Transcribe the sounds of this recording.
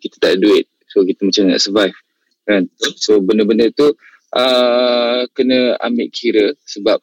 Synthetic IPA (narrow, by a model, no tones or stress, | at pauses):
kit̪ə̥t̪aʔduɪt̪̚ | sokit̪əmat͡ʃamna̰ʔsəvajf | kansobəndəbəndət̪u | ʔə | kənə̃a̰mbɪʔkʰiɾəsəbap̚